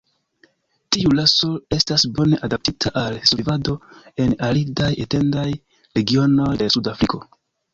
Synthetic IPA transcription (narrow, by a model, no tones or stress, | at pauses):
tiulaso̞e̞stasbo̞ne̞ʔadap̚titʰaʔalsoivado̞e̞nalidajete̞ndaj | ɾe̞ɡio̞no̞jdesudafɾiko̞